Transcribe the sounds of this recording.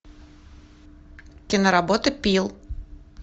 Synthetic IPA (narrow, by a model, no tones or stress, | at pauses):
kʲɪnəɾabot̪ɨpʲilˠ